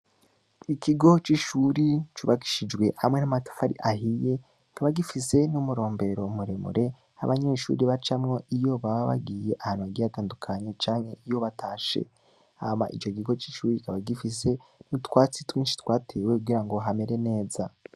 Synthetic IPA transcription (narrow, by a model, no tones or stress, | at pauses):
ikʰiɡo̞t͡ʃiʃuɾit͡ʃuβaki̥ʃid͡ʒɡwe̞ha̰mŋe̞namato̥faɾḭʔaɦije̞ | kaβaɡifise̞numuɾo̞ːmbe̞ɾo̞muɾemṵɾʔe̞ | a̰βaɲe̞ːʃṵːɾiβat͡ʃamŋo̞ʔijo̞βaβaβa̰ɡije̞ʔahaːnuaɡijataːndukʰaɲe̞t͡ʃaːŋhe̞ʔijo̞βatʰaʃḛ | ama̰ʔit͡ʃo̞kiɡo̞t͡ʃiʃuːɾikaβaɡifise̞nutwaːt͡sitwiːnʃi̥twaːtʰe̞ːwe̞kuɡiɾaŋɡo̞ɦame̞ɾe̞ne̞ːza